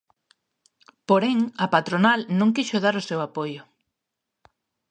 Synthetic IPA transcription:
poɾeŋɐpat̪ɾonalnõŋkiʃoðaɾʊsewapojʊ

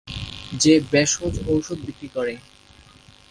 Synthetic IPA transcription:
d͡ʑebɛʃod͡ʑowʃod̪̚bikɾikɔɾe

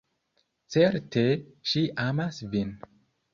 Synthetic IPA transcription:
t͡seɾtʰeʃiʔamasvin

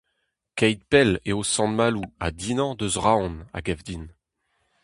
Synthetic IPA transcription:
kɛjd̪̚pɛleosɑ̃nmaluad̪inɑ̃d̪øzʁaɔ̃na̰ɡɛvd̪in

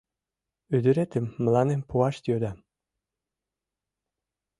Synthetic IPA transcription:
yd̪ɘɾet̪əmːə̆lɑnempuɑʃt̪jød̪ɑ

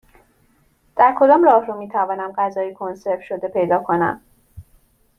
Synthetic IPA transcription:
d̪̥æɾkʰo̞d̪ɒːmrɒːhromiːt̪ʰævɒːnæmɢæzɒːjekʰo̞nse̞ɾfʃo̞d̪e̞pʰe̞jd̪ɒːkʰo̞næ̰m

